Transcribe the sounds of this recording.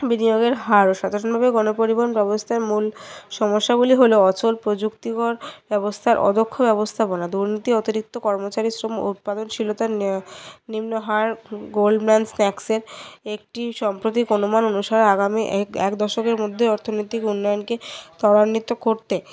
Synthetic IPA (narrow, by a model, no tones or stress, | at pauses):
binijoɡeɾɦaɾoʃad̪ʱaɾonbʱabeɡɔnopoɾibʱonbɛbost̪ʰaeɾmulʃɔmoʃːaɡuliɦoloɔt͡ɕolpɾod͡ʑukt̪ikoɾbɛbost̪ʰaɾʔɔ̰d̪ʱokʰːobɛbost̪ʰaponad̪uɾnit̪iɔt̪iɾik̚t̪okɔɾmot͡ɕaɾisɾom̰ṵt̪̚pad̪onʃilot̪a | nimnoɦaɾɡolɖbansnɛkseɾek̚ʈiʃɔmpɾot̪̬ikonumanonuʃaɾeaɡamiʔɛ̰kd̪ɔʃokeɾmod̪ʱːeɔɾt̪ʰonojt̪ikunːɔjonket̪ɔɾanːit̪ːokoɾt̪e